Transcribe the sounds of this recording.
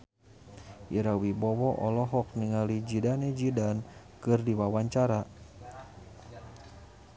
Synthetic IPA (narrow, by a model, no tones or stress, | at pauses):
ʔiɾawibɔwɔʔɔlɔɦɔk̚niŋalid͡ʒidanɛd͡ʒidan | kɨrdiwawaɲt͡ʃaɾa